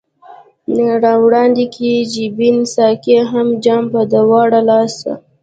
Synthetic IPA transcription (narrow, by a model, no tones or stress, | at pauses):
naɾɑwɽɑnd̪ikʰid͡ʒibinsɑkeɦamd͡ʒɑmpad̪əwɑɽalɑsa̰